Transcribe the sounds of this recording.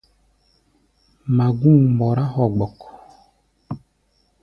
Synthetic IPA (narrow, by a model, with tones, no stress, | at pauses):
ma˨ɡu˦˨ŋmbɔ˨ɾa˦hɔ˨ɡ͡bɔ˨k